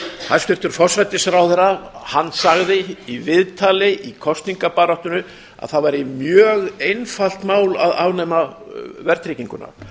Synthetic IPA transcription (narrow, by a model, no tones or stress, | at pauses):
hast̪ʏr̥t̪ʏɾ̥fɔrsvajt̪ɪsɾawθɛrːahanːsaɣðɪivɪðt̪ʰalɪʔikʰɔst̪niŋkapaːɾɔht̪ʏnʏ | a̰ðθaðvajɾɪmjœːɣejnfal̥t̪maːwla̰ðaːwnɛːma | vɛɾt̪ɾɪciŋkʏna̰ɾ̥